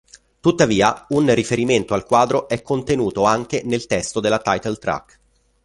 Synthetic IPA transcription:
t̪ut̪ːaviːaunrifeɾiment̪oalkwaːd̪ɾoʔɛkːont̪enuːt̪oaŋk̟enelt̪ɛst̪od̪elːat̪ajt̪elt̪ɾa̰k

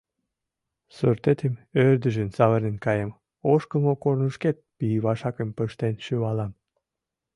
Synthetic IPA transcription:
sørt̪et̪emørd̪əʒensɑβərnenkɑjem | oʃkəmokornəʃket̪̚piβɑʃɑkəmpəʃt̪enʃyβɑlɑm

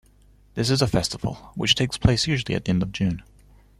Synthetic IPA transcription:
ðɪs̬ɨzəfɛstəvəl̩ˠwə̰t͡ʃtʰeɪkspʰl̥eɪsjʉːʒl̩ˠiɨ̰t̪̚ðiɛ̃ndəvd͡ʒʉ̃n

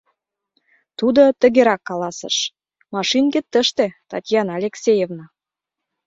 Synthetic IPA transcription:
t̪ud̪ot̪ə̆ɡʲeɾɑkːɑlɑsə̰̆ʃ | mɑʃinɡet̪ːə̆ʃt̪et̪ɑtʲjɑnɑlʲeksʲejevnɑ

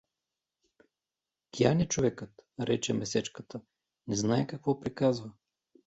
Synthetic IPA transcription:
kianʲɛt͡ʃovɛkət̪ɾɛt͡ʃɛmɛsɛt͡ʃkət̪ə | nɛznaɛkɐkvɔpɾikazvə

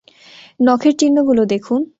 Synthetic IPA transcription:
nɔkʰeɾt͡ɕinːoɡulod̪ekʰun

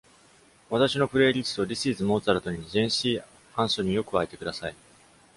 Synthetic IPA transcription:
βat̪aɕino̞pɯ̟ɾe̞ːɾʲit͡sɨ̥t̪o̞ɾʲisiːzɨmo̞ːt͡saɾɯt̪o̞ɲ̟izẽ̞ɰ̃ɕiː | ãɰ̃soɲ̟ĩjo̞kɯ̟βaet̪e̞kɯ̟d̪asai

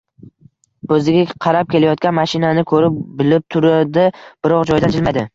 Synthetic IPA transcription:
ɵzɪɡʲaqʰɑɾap̚kʲʰe̞lajɒt̪̚kʲanmaʃɪnanɪkʰɵɾɪpbɪlɪp̚t̪ʰʊɾad̪ɪb̥ɪɾɒqd͡ʒɒjd̪and͡ʒʰɪlmajd̪ɪ

